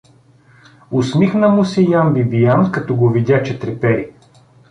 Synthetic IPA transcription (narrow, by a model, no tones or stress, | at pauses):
ʊsmixnɐmusijambibijankɐt̪ɔɡovid̪ʲjat͡ʃɛt̪ɾɛpɛɾi